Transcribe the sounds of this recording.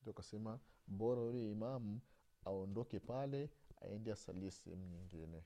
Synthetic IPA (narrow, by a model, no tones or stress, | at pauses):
uakasɛmabɔɾaulɛimamu | aɔndɔkɛpalɛa̰ɛ̰ndiasa̰liɛsɛ̰hɛ̰muɲiŋɡinɛ